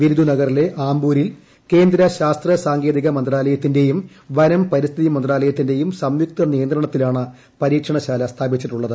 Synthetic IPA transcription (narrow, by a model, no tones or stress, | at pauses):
ʋiɾud̪unɐɣɐrile̞ʔaːmbuːɾil | ke̞ːnd̪ɾɐɕaːst̪rɐsaːŋɡe̞ːd̪iɣɐmɐnd̪raːlɐjɐt̪ːinde̞jum | ʋɐɾɐmpɐɾist̪ʰiðimɐnd̪raːlɐjɐt̪ːinde̞jumsɐmjuk̚t̪ɐnijɐnd̪rɐɳɐt̪ːilaːɳɨ | pɐɾiːkʂɐɳɐɕaːlɐst̪ʰaːbit͡ɕːiʈːuɭːɐðɨ